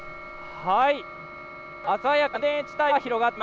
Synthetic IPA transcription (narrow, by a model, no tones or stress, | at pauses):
hai | asajakɯd̪ẽt͡ɕi̥t̪açiɾo̞ɡat̪ːe